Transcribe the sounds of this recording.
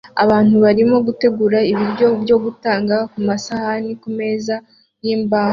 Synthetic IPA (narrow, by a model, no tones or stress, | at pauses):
aβaːnhuβaɾimo̞ɡute̞ɡuɾaiβiɾɟo̞bjo̞ɡutaːŋɡakumasahanikume̞ːza | jiːmbaːh